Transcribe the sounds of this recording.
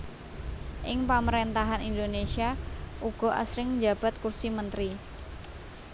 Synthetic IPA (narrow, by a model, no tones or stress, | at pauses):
ʔɪŋpaməɾent̪aɦanind̪onesiaʔuɡ̥ɔ̤ʔa̰sɾɪŋnd͡ʒa̤b̥a̤t̪̚kursimənt̪ɾi